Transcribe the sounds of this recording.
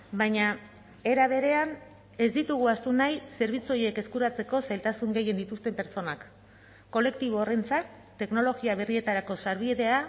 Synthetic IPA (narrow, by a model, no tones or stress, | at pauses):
bajɲa | e̞ɾaβ̞e̞ɾe̞an | e̞zd̪it̪uɣ̞uast̪unajse̞ɾβit͡suo̞je̞ke̞skuɾat͡se̞ko̞sajlt̪asuŋɡe̞je̞nd̪it̪ust̪e̞mpe̞ɾt͡so̞nakː | o̞le̞kt̪iβ̞o̞ːre̞nt͡sat̪ | t̪ːe̞kno̞lo̞ɣiaβe̞rie̞t̪aɾako̞saɾβ̞ieðe̞a